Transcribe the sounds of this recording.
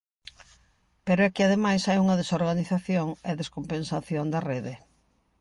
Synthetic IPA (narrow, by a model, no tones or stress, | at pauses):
peɾoɛkeaðemajsajuŋɐðesoɾɣaniθaθjoŋɛðeskompensaθjond̪ɐreðe